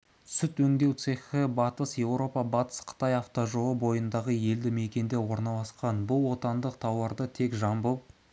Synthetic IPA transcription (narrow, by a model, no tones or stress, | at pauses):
sʏt̪wɵŋd̪e̞wt̪seχɪbɑt̪əsje̞wɾo̞pɑbɑt̪ə̥sqʰə̥t̪ɑjɑft̪oʒoəbo̞jənd̪ɑʁəje̞ld̪ɪme̞kʲe̞nd̪e̞wo̞ɾnɑlˠɑsqɑnbʊlˠwo̞t̪ɑnd̪əqt̪ʰɑwɑɾd̪ət̪ʰe̞kʒɑmbəp